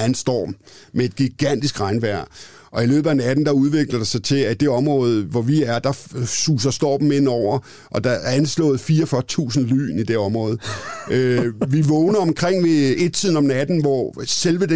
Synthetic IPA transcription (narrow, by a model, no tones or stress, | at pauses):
ænsd̥ɒ̰̥ːm | mee̝d̥̚ɡ̥iɡ̥æn̰d̥isɡ̥ʁɑ̈ɪnʋæɐ̰ | ʔɒ̽ilø̰ːb̥æenæd̥n̩d̥ɑ̈uð̞ˠʋe̝ɡ̥lɐd̥əsɑ̈ɪt͡sʰe̝æid̥e̝ɒ̽mʁɔ̽ːð̞̩ˠʋɒʋiæɐd̥ɑ̈suːs̬ɐsd̥ɒ̰ːb̥m̩ːenɒʊ̰ɐ | ʔɒ̽d̥ɑ̈ænslɔ̰̽ːð̩ˠfiːɐfɶɐt͡sʰṵːsn̩ly̰ːnid̥e̝ɒ̽mʁɔ̽ːð̞̩ˠøʋiʋɔːʊnɐɒ̽mkʰʁeŋ̰ʋe̝e̝d̥̚t͡sʰið̞̰ˠn̩ɒ̽mnæd̥n̩ʋɒselʋəd̥e